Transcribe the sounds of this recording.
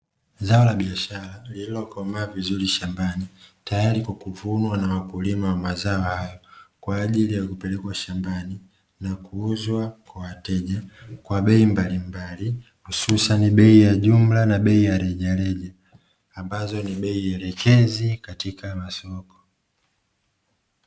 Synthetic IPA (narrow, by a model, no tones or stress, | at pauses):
zaɔlaɓiaʃaɾalililɔkɔmavizuɾiʃambanitajaɾikɔkuvunwanawakulimawamazaɔhajɔkwaːʄilijakupɛlɛkwaʃambani | nakuuzwakwawatɛʄakwaɓɛimbalimbali | hususaniɓɛijaʄum̩lanaɓɛijaɾɛʄalɛʄaː | mbazɔniɓɛiɛlɛkɛzikatikamasɔkɔ̥